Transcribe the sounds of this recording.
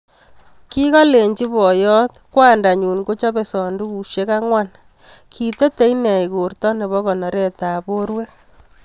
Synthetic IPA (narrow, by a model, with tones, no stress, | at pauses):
ki˦kɔ˦le˨ɲt͡ʃi˦βɔ˨jɔ˦t̪kwa˦nda˨ɲu˨nko˦t͡ʃɔ˦be˨sɔ˨ndu˦ku˨ʃje˦ka˦ŋwa˦n | kʰi˨te˦te˦inɛ˨i˨ko˨rtɔ˦ne˨βɔ˦kɔ˨nɔ˨ɾe˦ta˨bo˦ɾwe˦